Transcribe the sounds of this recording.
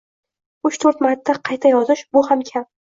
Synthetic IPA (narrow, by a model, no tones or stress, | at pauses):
ʊt͡ʃt̪ʰɵɾt̪mat̪ʰːaqʰɑjt̪ʰajɒzɪʃbʊhamkʲʰam